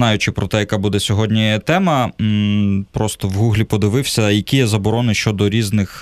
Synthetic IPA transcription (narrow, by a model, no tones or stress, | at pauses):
ɑjʊt͡ʃɪpɾɔt̪ɛjɐkabud̪ɛsʲɔɦɔdʲnʲijɛt̪ɛmɐ | pɾɔst̪ɔʋɦuɦlʲipɔd̪ɪʋɪwsʲɐjɐkʲijɛzɐbɔɾɔnɪʃt͡ʃɔd̪ɔɾʲiznɪx